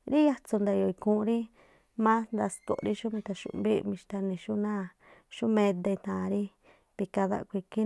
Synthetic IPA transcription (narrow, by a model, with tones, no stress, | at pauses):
ɾi˦ja˦t͡su˧nd̪a˧jo˧i˧kũ˧˦˧ɾi˦ | mã˦nd̪a˧˨st̪o̰˨ʔɾi˦ʃu˦mĩ˧t̪a˧ʃṵ˧˨˧mbi˦˧mĩ˧ʃt̪a˧nĩ˧ʃu˦nã˦˧ | ʃu˦mẽ˧d̪e˧i˧nã˨˧ɾi˦ | βi˧ka˧ða̰˧ʔkʷi˧ki˦